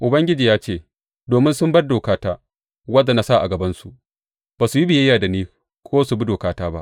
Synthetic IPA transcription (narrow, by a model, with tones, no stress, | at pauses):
ʔʊ˨bɐ˦ŋɡʲɪ˦d͡ʒiː˨jaː˦t͡ʃeː˦˨ | doː˨mɪ˦nsʊ˦mbɐ˦rdoː˨kaː˦taː˦ | wɐ˦dːa˨na˦sa˦ʔa̰˨ɡɐ˨bɐ˦nsu˨ | b̥aː˨su˨ji˦bɪ˨jɐ˦jːaː˨da˨niː˦ | kʷʰoː˦su˨bi˦doː˨kaː˦taː˦ba̰˦ʔ